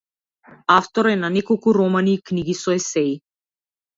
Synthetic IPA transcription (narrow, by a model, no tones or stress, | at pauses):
aft̪ɔɾɛnanɛkɔlˠkuɾɔmanikniɡisɔɛsɛi